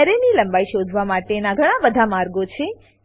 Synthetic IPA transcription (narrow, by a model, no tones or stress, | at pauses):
ɾeniləmbaiʃod̪ʱʋamaʈenaɡʱəɽ̃abəd̪ʱamaɾɡot͡ʃʰe